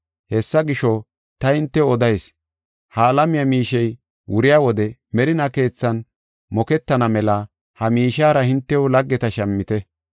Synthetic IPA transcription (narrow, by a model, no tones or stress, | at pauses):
hɛsːɐɡɪʃɔ | t̪ɐhɪnt̪ːɛɔd̪ɐjs | haːlɐmɪjɐmiːʃɛj | wʊɾɪjaːwɔd̪ɛmɛɾɪnɐke̞ːt͡sːɐn | mɔkɛt̪ːɐnɐmɛlɐ | hɐmiːʃaːɾɐhɪnt̪ːɛʊlɐɡːɛt̪ɐʃɐmːɪt̪ɛ